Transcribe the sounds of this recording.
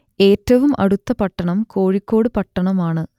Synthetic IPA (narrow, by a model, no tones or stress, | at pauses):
e̞ːtːɐʋumʔɐ̰ɽut̪ːɐpɐʈːɐɳɐmko̞ːɻikʲːo̞ːɽɨpɐʈːɐɳɐmaːɳɨ